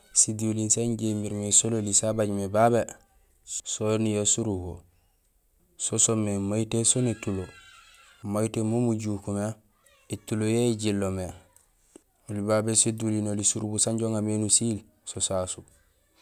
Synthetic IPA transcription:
sidulinsaɲɟembiɾmesololisabaɟmebabe | sonijosuɾubo | sosomːemaitesonetulo | majitemomuɟukume | etulojeɟilːome | ulibabesedulinolisuɾubusaɲɟoŋamenusil | sosasu

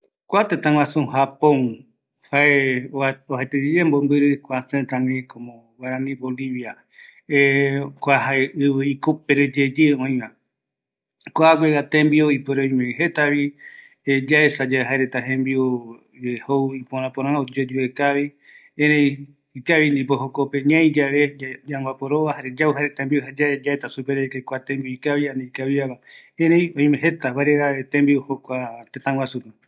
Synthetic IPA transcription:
kʷat̪et̪ãwãsũɦapõŋ | hae | ohet̪ed͡ʒed͡ʒembombɨɾɨkʷasẽt̪ãŋɡekomõ | waɾãnĩboliβia | ekʷaɦaeʔɨβɨikop̚eɾed͡ʒed͡ʒeõĩβã | koaɡʷeɡat̪ẽmbioipoɾeoĩmẽiɦet̪aβi | ed͡ʒaesad͡ʒaeɦaeɾet̪aɦẽmbio | ehowipõɾ̃ãpoɾ̃ãod͡ʒed͡ʒuekaβi | eɾẽj̃ | ikaβind̪ipoɦokope̞ɲãĩd͡ʒaʋed͡ʒaŋbapoɾoβahaɾed͡ʒauɦaɾet̪ambiohad͡ʒaed͡ʒaet̪asupeɾekekʷat̪ẽmbioikaβianiikaβiaβa | ẽɾej̃õj̃mẽɦe̞t̪aβaɾeɣaet̪embiohokʷat̪ẽt̪ãwasupe

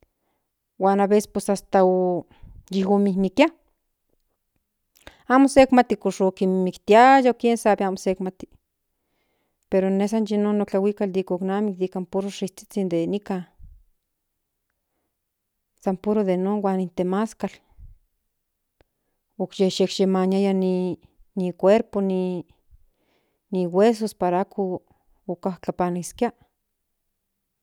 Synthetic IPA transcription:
waːnaβese̥spesast̪ao | jiɦomihmikja | amosekmat̪ikoʃokimmikt̪iajaokjensabiaːmosekmat̪i̥ | peɾones̬anjinonːot͡ɬawikald̪ikoknamik̚d̪ikampuɾoʂiht͡si̥t͡sind̪enika | sampuɾoðenoːnwaːnint̪emaskal | okjeʃekʃemanjajani | nikʷeɾponi | niwes̬ospaɾaakʰoː | kahkapaniskia

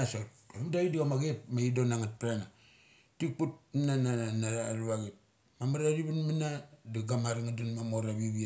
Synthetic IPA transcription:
nasatomdaidiɡamaɡepmaidonaŋat̚pɾana | tik̚put̚nanaanaaluβaɡep̚ | mamaɾaɾibanmanadaɡamaɾiŋadanmamoɾaβiβia

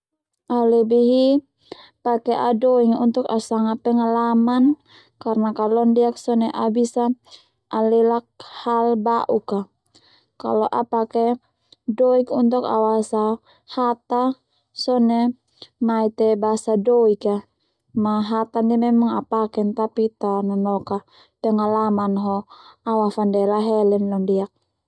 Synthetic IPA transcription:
ʔalɛbiɦi | pakɛʔadɔiŋunt̪ukasaŋapɛŋalaman | karnakalɔndiaksɔnɛʔabisa | ʔalɛlak̚halbaʔuka | ka̰lɔʔapakɛ | dɔikunt̪uka̰wasa | hat̪a | sɔnɛ | mait̪ɛbasadɔika | maɦat̪andimɛmaŋa̰pakɛnt̪apit̪anɔnɔka | pɛŋalamanɦɔawafandɛlaɦɛlɛnlɔndiak̚

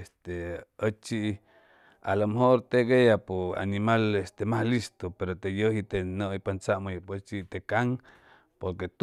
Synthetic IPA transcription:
st̪eət͡ʃiʔ | a̰lamɦoɾt̪eɡejapoa̰nimalest̪emahlist̪opeɾot̪ejəɦit̪enəipant͡saʔmojpəst͡ʃit̪ekaŋ | poɾket̪

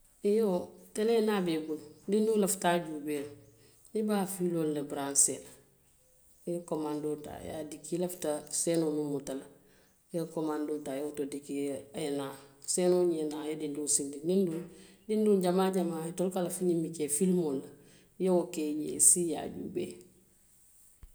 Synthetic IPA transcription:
ijotenenaːbebuldindulaftaɟubeː | ibaːfiloːlːebɾansel | komandota̰ja̰dikilaftaseːnonumutala | jekomandotajautodikienaːsenoɲenajadindusindidindun | dindunɟamaːɟamaːitolkalafiɲimikefilmolɐ | jawokejḛːsija̰ɟṵbḛː

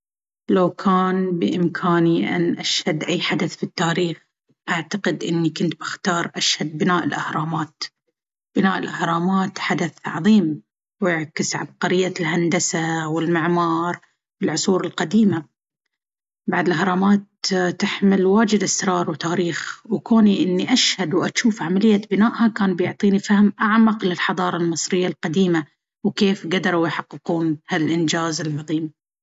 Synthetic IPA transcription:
lawkʰaːnbɪʔɪmkʰaːniʔa̰nʔaʃhad̪ʔajːħad̪aθfit̪ːaːɾiːx | ʔaʕt̪aqɪd̪ʔɪnːikʊnt̪bɪ̥xt̪ɑːɾˤʔaʃhad̪̚bɪnaːʔɪlʔahɾˤɑːmaːt̪ | b̥ɪnaːʔɪlʔahɾˤɑːmaːt̪ħad̪aθʕɑ̰ðˤiːm | wɪʕkɪsʕa̰b̚qaɾɪjːalɦand̪asawɪlmɪʕmɑːɾˤ | wɪlʕʊsˤuːɾɪlqad̪iːma | baʕd̪ɪlɦɑɾˤɑmaːt̪t̪ɪħmɪlwaːd͡ʒɪd̪ʔɪsɾˤɑːɾˤwt̪aːɾiːxwkoːniʔɪnːiʔaʃhad̪wʔaʃuːfʕamalɪjːabɪnaːʔhakaːnbjʊʕt̪ˤiːnifahmʔaʕmaqlɪlħɑðˤɑːɾˤɑlmɨsˤɾɪjːalqad̪iːma | wkeːfɡad̪ɾˤawjħɑqːɨquːnhalʔɪnd͡ʒaːzɪlʕɑðˤiːm

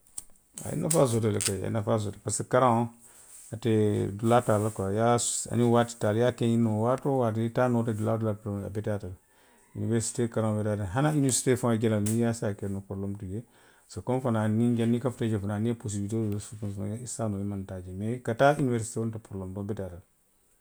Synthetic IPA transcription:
a̰ḭnafazotelekaḛnafaz̬otapasikaɾão | atedulatalakajaa̰niwati̥taljakejinowatowat̬iitanoteduladulata̰betata | ṵniveɾsi̥tekaɾãŋbetataɦanainesi̥tefãɡelalnijasiakenopoɾlomtuɡe | sokomfananiŋɡenːikafted͡ʒefananepos̬ibitesupusa̰isanoimantad͡ʒemekatainiveɾsi̥tewontapuɾlomdobetatal

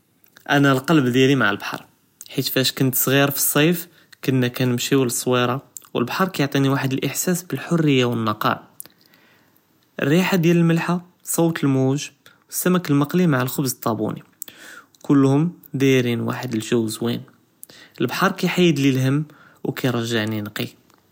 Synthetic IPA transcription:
ʔænælqɑlbd̪jælimaʕə̰lbħɑ̰ɾˤ | ħit̪fæʃkʊnt̪sˤɣiɾfi̥sˤːɑf | kənːækænəmʃiwələsˤːwiɾˤɑwə̰lbħɑɾˤkæjoʕt̪ˤiniwaħəd̪əlʔəħsæsbəlħʊrːəjːawənːɑqɑ̰l | ʔə̰rːiħad̪jæləlməlħa | sˤowt̪əlmuʒwəsːæmækəlmɑqlimaʕalxʊbzət̪ˤːɑbṵni | kʊlːhʊmd̪iɾinwa̰ħəd̪əlʒæwzwḭn | əlbħɑɾˤkæjħajːəd̪lilhəmː | wkæjɾˤɑʒːaʕninqi

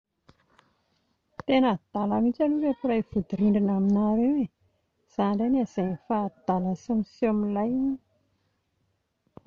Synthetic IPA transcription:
t̪enəd̪̥aləmit͡ʃaluɾefuɾajv̥ud̪iɾiɳɖ͡ʐinaminaɾewe | z̥aɳɖ͡ʐanazajnifad̪̥aləsomisiamilajni

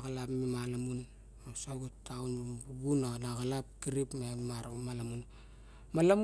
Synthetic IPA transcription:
ɣalapmimalamun | osaɡutːawnbuɡunanaɣalap̚kiɾipmemamalamun | malam

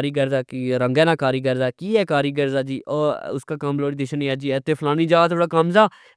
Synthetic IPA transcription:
ɾiːɡəɾzaːkiːɾəŋɡɛːnãːkaːɾiːɡəɾzaːkiːɛːkaːɾiːɡəɾzaːd͡ʒiːoːʊskaːkambloːɽiːd̪ɪʃəniɛːd͡ʒiːɛːt̪eːpʰlaːniːd͡ʒaːt̪ʰoːɽaːkəmzaː

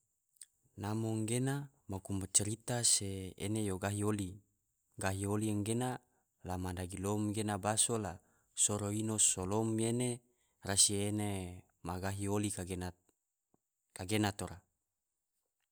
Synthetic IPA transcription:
namoŋɡena | makumat͡ʃəɾit̪aseḛnejoɡaɦioli | ɡaɦiolieŋɡena | lamadaɡilomɡenabasola | soɾoinosolomjene | rasiene | maɡaɦiolikaɡena | kaɡenat̪oɾa

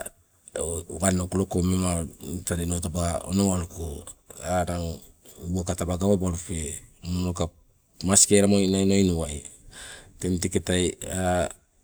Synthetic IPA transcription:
ɡanokulokomemataɾenotabao̰noŋalukoanaŋ | boakatabaɡawabaɾufemunoka | maskeɾamonajnojnuwaj | temteketaja

